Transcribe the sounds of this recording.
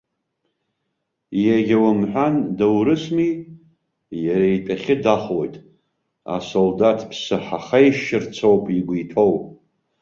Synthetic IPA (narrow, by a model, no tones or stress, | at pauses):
jaɡʲawamħʷᶣandawɾɨsmi | jaɾajtʼaχʲɪdaχwojtʼ | a̰soldatʰpʰsɨħaχajʃʃɪrt͡sʰowpʼiɡʷijtʰowʼ